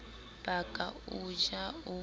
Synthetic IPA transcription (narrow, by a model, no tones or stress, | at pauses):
b̥akʼaud͡ʒau